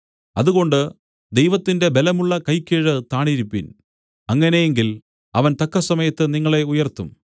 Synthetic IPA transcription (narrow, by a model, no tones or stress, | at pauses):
ɐðuɣo̞ɳɖɨ | d̪e̞jʋɐt̪ːinde̞be̞lɐmuɭːɐkɐjkːeːɻɨt̪aːɳiɾipːin | ɐŋːɐne̞jeŋɡil | ɐʋɐnt̪ɐkːɐsɐmɐjɐt̪ːɨniŋːɐɭe̞ujɐrt̪um